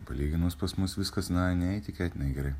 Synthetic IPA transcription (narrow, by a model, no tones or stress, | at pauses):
pɐlʲiːɡʲɪnuspɐsmʊsʋʲɪskɐsnɐnʲɛɛɪt̪ʲɪkʲɛːt̪ʲɪnɐɪɡʲɛɾɐɪ